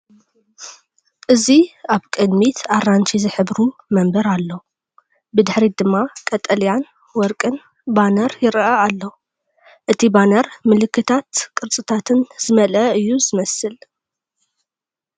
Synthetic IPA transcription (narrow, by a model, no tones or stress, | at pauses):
ʔɨziaβkʼɨd̪mit̪ʰaɾant͡ʃʰizɨħɨbɾumɐmbɐɾalːo | bɨd̪ɨħɾid̪ɨmːakʼɐt̪ʼɐljan | wɔɾkʼɨn | banɐɾjɪɾʔɐalːo | ʔɨt̪ʰibanɐɾmɨlɨkːɨt̪ʰat̪kʼɨɾt͡sʼɨt̪ʰat̪ʰɨnz̥ɨmɐlɐɨjːuzɨmɐsɨl